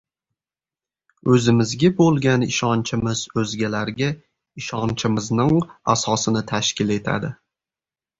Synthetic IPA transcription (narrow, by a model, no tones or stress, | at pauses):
ɵzɪmɪzɡʲabolˠɡʲanɪʃɒnt͡ʃʰɪmɪz̥ɵzɡʲalaɾɡʲa | ɪʃɒnt͡ʃʰɪmɪznɪŋasɒsɪnɪt̪ʰaʃkʲɪle̞t̪ʰa̰d̪ɪ